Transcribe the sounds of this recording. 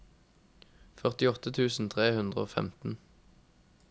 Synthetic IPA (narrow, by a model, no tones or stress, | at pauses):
fœʁt̪ɪɔt̪ət̪ʰʉːsn̩t̪ʰʁeːhʉnd̪ʁəoːfɛ̰mt̪n̩